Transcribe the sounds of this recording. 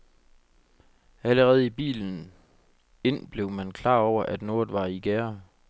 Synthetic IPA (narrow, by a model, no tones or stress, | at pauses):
æləʁɛːð̞̩ˠib̥ḭːln̩ | e̝n̰b̥le̝ʊmænkʰlɑ̰̈ːɒʊ̰ɐʔæd̥no̝ɐð̩ˠʋɑ̈iɡ̥æːɐ